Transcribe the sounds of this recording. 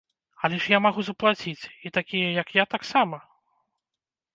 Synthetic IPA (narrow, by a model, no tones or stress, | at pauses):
ɐlʲɛʂjamaɣuzɐplˠat͡sʲit͡sʲit̪akʲijɐjɐkjat̪aksamɐ